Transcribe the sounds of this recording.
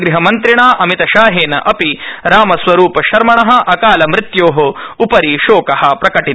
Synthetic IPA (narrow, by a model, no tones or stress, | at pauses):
ɡɾiɦɐmɐnt̪ɾiɳaːʔɐmit̪ɐʃaːɦeːnɐ̰ʔɐpiɾaːmɐsʋɐɾuːpɐʃɐɾmɐɳɐɦɐ̆ʔɐkaːlɐmɾɪt̪joːɦoupɐɾiʃoːkɐhɐpɾɐkɐʈit̪